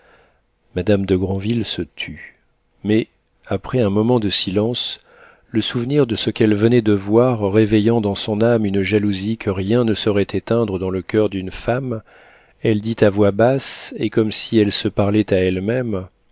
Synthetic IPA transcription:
mad̪amd̪əɡʁɑ̃vilsət̪ʰy | mɛ | apχɛɛ̃mɔmɑ̃d̪əsilɑ̃s | ləsuvniʁd̪əsəkɛlvənɛd̪əvwaʁːevejɑ̃d̪ɑ̃sɔ̃namynʒaluzikʰəʁjɛ̃nəsɔʁɛt̪ʰet̪ɛ̃d̪ʁəd̪ɑ̃ləkʲœʁd̪ynfam | ɛld̪it̪avwabasekɔmsiɛlsəpaʁlɛt̪aɛlmɛm

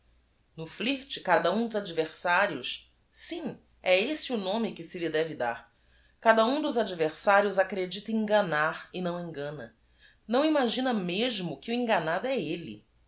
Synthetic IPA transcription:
nʊfliht͡ʃɪkad̪ɐũd̪ʊzad͡ʒiveɾsaɾiʊs | sĩ | ɛesɪʊnõmɪkɪsɪlɪd̪ɛvɪd̪a̰ɾ | kad̪ɐũd̪ʊzad͡ʒiveɾsaɾiʊzakɾed͡ʒit̪ɐĩŋɡɐnaɾɪnɐ̃w̃ĩŋɡɐ̃nɐ̰ | nɐ̃w̃imaʒĩnɐmeʒmʊkɪʊẽŋɡanad̪ʊɛelɪ̰

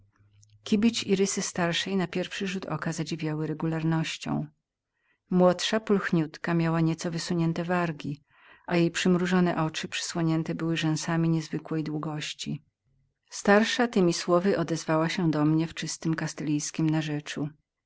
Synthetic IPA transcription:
kʲibʲit͡ɕiɾɘsɘst̪aɾʂɛjnapʲjɛɾfʂɘʐut̪ɔ̰kazad͡ʑivʲjawɘɾɛɡulaɾnɔɕt͡ɕɔ̰̃w̃ | mwɔtʂapulxɲut̪kamʲjawaɲɛt̪sɔvɘsuɲɛnt̪ɛvaɾɡʲi | ʔajejpʂɘmɾuʐɔnɛ̰ʔɔt͡ʂɘpʂɛ̥swɔɲɛnt̪ɛbɘwɘʐɛw̃samʲiɲɛzvɘkwɛjd̪wuɡɔɕt͡ɕi | st̪aɾʂat̪ɘmʲiswɔvɘʔɔd̪ɛzvawaɕɛd̪ɔmɲɛft͡ʂɘst̪ɘmkast̪ɛlʲijskʲimnaʐɛt͡ʂu

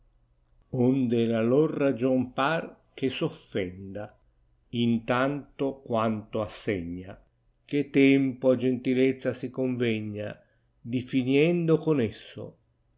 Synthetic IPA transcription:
ond̪elalɔrːad͡ʒɔmpar | kesofːɛnd̪a | int̪ant̪okwant̪oasːɛɲːa̰ | ket̪ɛmpoad͡ʒent̪ilɛt̪sːasikoɱvɛɲːa̰ | d̪ifiniɛnd̪okonesːo̰

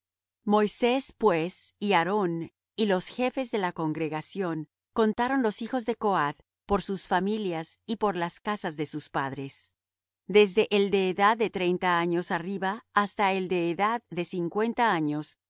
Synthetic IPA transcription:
mo̞jse̞spwe̞siaɾo̞n | ilo̞sxe̞fe̞zðe̞lako̞ŋɡɾe̞ɣasjo̞n | ko̞nt̪aɾo̞nlo̞sixo̞zðe̞ko̞að | po̞ɾsusfamiljasipo̞ɾlaskasazðe̞suspaðɾe̞s | d̪e̞zðe̞ʔeld̪e̞ːðaðːe̞t̪ɾe̞jnt̪aaɲo̞sariβaːst̪aeld̪e̞ːðaðːe̞siŋkwe̞nt̪aaɲo̞s

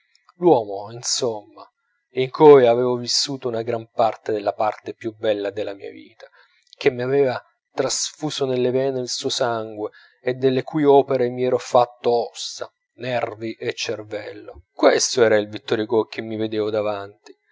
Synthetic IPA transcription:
lwɔːmoinsomːa | iŋkʰojavɛːvovisːuːt̪ounaɡɾampart̪ed̪elːapart̪epjubɛlːad̪elːamḭːa̰vḭːt̪ḁ | k̟emːiavɛːva | t̪ɾasfuːsonelːevɛːnelsuːosaŋɡweː | d̪ːelːekuːjɔːpeɾemiɛːɾofat̪ːoɔsa̰ | nɛrviʔet͡ʃːervɛlːo̰kwest̪oɛːɾailvit̪ːoɾikok̟ʰːemːived̪ɛːvod̪avant̪i̥

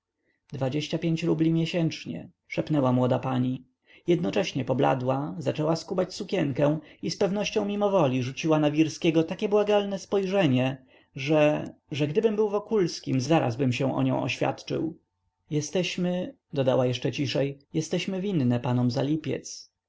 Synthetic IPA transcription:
d̪vad͡ʑeɕt͡ɕapʲjeɲt͡ɕɾublʲimʲjɛɕɛnt͡ʂɲɛ̰ | ʂɛpnɛwamwɔd̪apaɲi | jɛd̪nɔt͡ʂɛɕɲɛpɔbla̰d̪wazat͡ʂɛwaskubat͡ɕsukʲɛŋkɛ̃w̃ispɛvnɔɕt͡ɕɔ̃w̃mʲimɔvɔlʲiʐut͡ɕiwanavʲiɾskʲɛɡɔt̪akʲɛbwaɡalnɛspɔjʐɛɲɛ | ʐɛʐɛɡd̪ɘbɘmbɘwvɔkulskʲimzaɾa̰zbɘmɕɛ̃ʔɔ̰ɲɔ̰̃w̃ʔɔ̰ɕfʲja̰t̪t͡ʂɘ̰w | jɛst̪ɛɕmɘ | d̪ɔd̪awajɛʂt͡ʂɛt͡ɕiʂɛjjɛst̪ɛɕmɘvʲinːɛpanɔmzalʲipʲjɛ̰t̪s

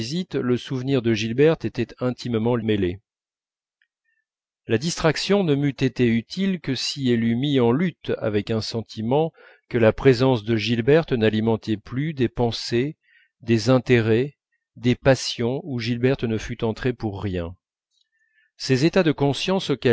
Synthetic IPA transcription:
zit̪ləsuvniʁd̪əʒilbɛʁt̪et̪ɛt̪ɛ̃t̪ʰimmɑ̃mele | lad̪ist̪χaksjɔ̃nəmyt̪et̪eyt̪ʰilkəsiɛlymiɑ̃lyt̪a̰vɛkɛ̃sɑ̃t̪ʰimɑ̃ | kəlapχezɑ̃sd̪əʒilbɛʁt̪nalimɑ̃t̪ɛplyd̪epɑ̃se | d̪ezɛ̃t̪eʁɛ | d̪epasjɔ̃uʒilbɛʁt̪nəfyt̪ɑ̃t̪χepuʁːjɛ̃ | sezet̪ad̪əkɔ̃sjɑ̃sokʲɛ

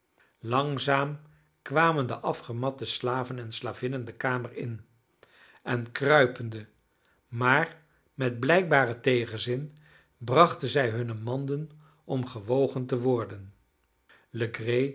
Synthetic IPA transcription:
lɑŋzaːm | kʋaːməndəʔɑfχəmɑtəslaːvənɛnslaːvɪnəndəkaːməɹɪ̰n | ɛnkrœɥpəndə | maːr | mɛd̚blɛjk̚baːrətejχənzɪn | brɑχtənzɛjɦɵnəmɑndən | ɔmχəʋowχəntəʋɔɹdən | ləɡrej

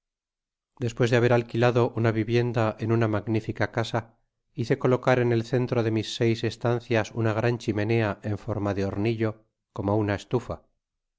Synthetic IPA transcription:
d̪e̞spwe̞zðeaβ̞e̞ɾalkilaðo̞ʔunaβiβje̞nd̪aʔenunamaɡnifikakasa | iθe̞ko̞lo̞kaɾe̞ne̞lθe̞nt̪ɾo̞ðe̞misːe̞jse̞st̪anθjasunaɣ̞ɾant͡ʃime̞ne̞aʔe̞ɱfo̞ɾmaðeo̞ɾniʎo̞ | ko̞mounaest̪ufa

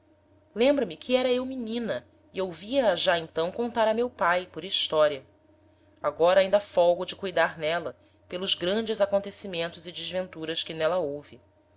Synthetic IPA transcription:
lẽmbɾɐmɪkʰɪɛɾɐewminĩnɐ | iowviɐːʒaẽnt̪ɐ̃w̃kõnt̪aɾɐmewpajpʊɾiʃt̪ɔɾiɐ | aɡɔɾɐaĩnd̪ɐfɔɡʊd͡ʒɪkujd̪aɾnɛlɐ | pelˠʊzɡɾɐ̃d͡ʒɪzakõnt̪esimẽnt̪ʊzɪd͡ʒɪzvẽnt̪uɾɐʃkɪnɛlɐowvɪ

